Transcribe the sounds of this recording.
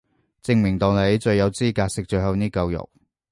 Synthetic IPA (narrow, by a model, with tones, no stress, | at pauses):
t͡sɪ˧ŋmɪ˨˩ŋt̪ɔː˨ŋle˨˥jt͡ʃɵ˧ɥjɐ˨˧wt͡siː˥kaː˧k̚sɪ˨k̚t͡ʃɵ˧ɥhɐ˨˧wniː˥kɐ˧wjʊ̰˨˩k̚